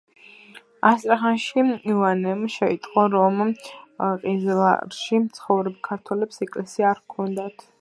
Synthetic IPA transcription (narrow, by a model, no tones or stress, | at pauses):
ast̪ʼɾaχanʃiivanɛmʃɛit̪ʼqʼɔɾɔm | qʼizla̰ɾʃimt̪sʰχɔvɾɛbkʰaɾt̪ʰwɛlɛpsɛkʼlɛsiaːɾkʰɔnd̪at̪ʰ